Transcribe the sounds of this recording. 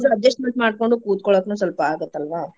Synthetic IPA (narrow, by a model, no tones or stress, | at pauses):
sɐɐd͡ʒesʈmɐntmaːɖ̚koɳɖukuːt̪̚kɔɭoknuːsɐlpɐaːɡut̪ːɐlʋaː